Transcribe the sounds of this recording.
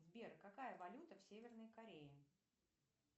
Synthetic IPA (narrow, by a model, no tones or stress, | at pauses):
vʲbʲerkɐkajəvɐlʲut̪əfsʲevʲɪrnəjkɐɾʲejɪ